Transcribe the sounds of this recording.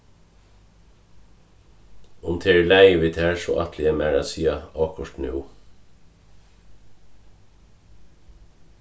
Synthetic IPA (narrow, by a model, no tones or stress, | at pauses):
ʊmt̪ʰeːɹlæɪʋɪːt̪ʰæːɹso̰ːʔɑ̰t̪ʰlɪemæːɹɑ̰siːɑɑːkʊʃtnṵː